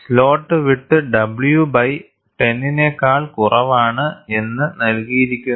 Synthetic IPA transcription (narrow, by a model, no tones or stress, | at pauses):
slo̞ːʈːɨʋiʈːɨɖɐbɭjubɐj | ʈe̞nːinekːaːɭkurɐʋaːɳɨe̞nːɨnɐlkijiɾikʲːu